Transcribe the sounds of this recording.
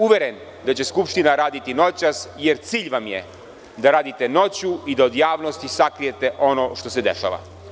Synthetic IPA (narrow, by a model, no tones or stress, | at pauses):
uʋeɾen | d̪at͡ɕe̞skupʃt̪inaɾaːd̪it̪ino̞t͡ɕasjeɾt̪siːʎʋamjḛ | d̪aɾaːd̪it̪e̞no̞t͡ɕuid̪aod̪jaːʋno̞st̪isakɾije̞t̪e̞ʔo̞noʃt̪o̞sed̪eʃa̰ːʋa̰